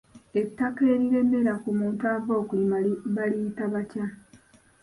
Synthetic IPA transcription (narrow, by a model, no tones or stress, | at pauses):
e̞tːake̞ːɾiɾe̞me̞ɾakumuːntuavo̞ːkuliβaliːtaβaca